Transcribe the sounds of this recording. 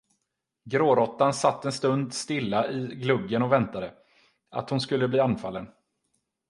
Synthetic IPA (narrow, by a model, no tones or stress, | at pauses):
ɡɾoːɾɔt̪ːansat̪ːɛnst̪ɵnd̪st̪ɪlːaʔɪɡlɵɡːənɔvɛnt̪ad̪ə | a̰t̪hʊnskɵlːəbliːanfa̰lːən